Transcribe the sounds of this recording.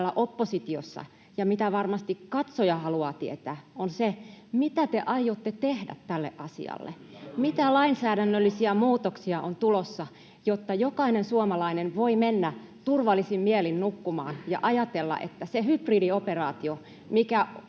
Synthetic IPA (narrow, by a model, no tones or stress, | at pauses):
lːɑʔopːosit̪iosːɑ̰ | jɑmit̪æʋɑrmɑst̪ikkɑt̪sojɑhɑluɑːt̪iḛt̪æːʔonsemit̪æt̪eʔɑijot̪ːet̪ehdæ̰t̪tːælːḛʔʔɑsḭɑ̰lːḛmit̪ælɑinsæːɾænːølːisiæmuːt̪oksiɑʔont̪ulosːɑ | jot̪ːɑjokɑinensuomɑlɑinenʋoimenːæ | t̪urʋɑlːisimmielinnukːumɑ̰ːnjɑ̰ʔɑjɑt̪elːɑ̰ʔet̪ːæsehypridioperɑːt̪io | mikæ